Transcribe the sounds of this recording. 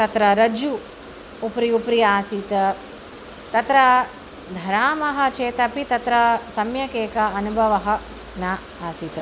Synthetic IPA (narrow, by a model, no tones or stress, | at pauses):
t̪ɐt̪ɾɐɾɐd͡ʒuː | pɾiupɾijaːsiːt̪ɐ | t̪ɐt̪ɾɐ | d̪ʱɐɾaːmɐɦɐ̆t͡ʃeːt̪ɐpit̪ɐt̪ɾɐsɐmjɐkeːkɐɐnubʱɐʋɐɦɐ̆ | naː | aːsiːt̪ɐ